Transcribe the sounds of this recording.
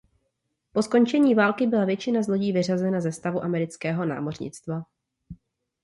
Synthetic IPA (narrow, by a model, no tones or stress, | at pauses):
po̞sko̞nt͡ʃɛɲiːvaːlkɪbɪlavjɛt͡ʃɪnazlo̞ɟiːvɪrazɛnazɛst̪avuʔamɛɾɪt͡skɛːɦo̞na̰ːmo̞rɲɪ̰t͡st̪va